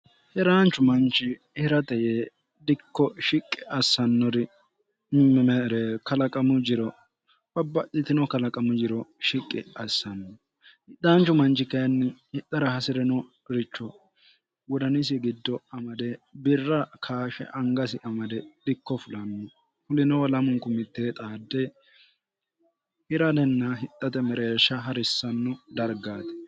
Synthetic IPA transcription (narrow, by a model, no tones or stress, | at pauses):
hɛɾaːnt͡ʃːʊmɐnt͡ʃɪ | hɪɾɐt̪ɛje | d̪ɪkːɔʃɪkʼːɪʔɐsːɐnːɔɾɪ | ɛɾɛkɐlɐkʼɐmʊd͡ʒɪɾɔ | bɐbːɐɗɪt̪ɪnɔkɐlɐkʼɐmʊd͡ʒɪɾɔʃɪkʼːɪ̰ɐsːɐnːɔ | ɪd̪aːnt͡ʃːʊmɐnt͡ʃɪkɐjɐnːɪhɪt̪ːɐɾɐhɐsɪɾɛnɔ | ɾɪt͡ʃːɔ | wɔd̪ɐnɪs̬ɪɡɪd̪ːɔɐmɐd̪ɛbɪrːɐkʰaːʃɛ̰ʔɐŋɡɐsɪʔɐmɐd̪ɛɗɪkːɔfʊlɐnːɔ | fʊlɪnɔwlɐmʊŋkʊmɪt̪ːeːt̪ʼaːd̪ːɛ | hɪɾɐd̪ɛnːɐɦɪt̪ʼːɐt̪ɛmɛɾeːʃɐɦɐɾɪsːɐnːʊd̪ɐɾɡaːt̪ɛ̥